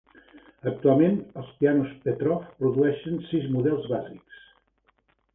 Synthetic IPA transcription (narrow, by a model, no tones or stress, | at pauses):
ək̚t̪ualˠmenəlˠspianuspet̪ɾɔfpɾuðuɛʃənsizmuðɛlˠzβaziks